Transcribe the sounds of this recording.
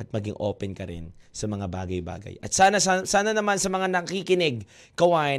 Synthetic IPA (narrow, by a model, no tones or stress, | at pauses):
ɐt̪̚mɐɡɪ̰ŋʔo̰ːpɛnkɐɾɪ̰nsɐmɐŋaba̰ːɡɐjba̰ːɡɐ̰jʔɐ̰t̪̚saːnɐssaːnɐnɐmansɐmɐŋanɐkɐkikɪnɪɡ̚ | kɐwaːʔɪ